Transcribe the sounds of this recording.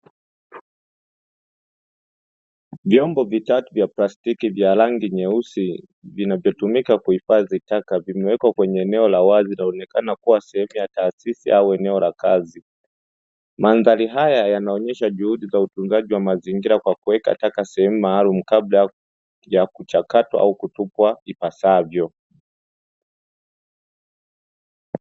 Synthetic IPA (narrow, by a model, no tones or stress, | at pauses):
vjɔmbɔvitatuvjaplastikivjalaŋɡiɲɛusi | vinavjɔtumikakuhifaðitakavimɛwɛkwakwɛɲɛːnɛɔlawazinaɔnɛkanakuwasɛhɛmujataːsisḭʔauɛnɛɔlakazi | manðaliɦajajanaɔɲɛʃaʄuhuɗizautuŋɡaʄiwamaziŋɡiɾakwakuwɛka̰takasɛhɛmumaːlumukabla | jakut͡ʃakatwa̰ʔaukutupwaipasavjɔ